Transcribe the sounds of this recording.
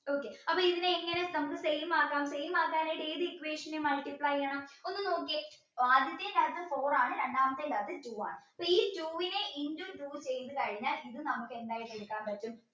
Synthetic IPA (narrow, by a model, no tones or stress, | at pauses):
o̞ːkːe̞ɐpːɐːiðineːŋːɐne̞nɐmukːɨsejmaːkːaːmsejmaːkːaːnejɽeːðikːʋeːʂɐnemɐlʈiplɐjɐːɳɐmo̞nːɨno̞ːk̬ːi | ʋaːd̪jɐt̪ːenɐt̪ːɨfoːraːɳɨɾeɳɖaːmɐt̪ːelɐðɨtuːʋa̰ːɳɨɐpːoːiːtuːʋineʔindumʈuːt͡ɕejt̪ːɨkɐɻiɲːaːliðɨnɐmukːe̞nd̪aːjiʈːeɽukːaːnpɐtːum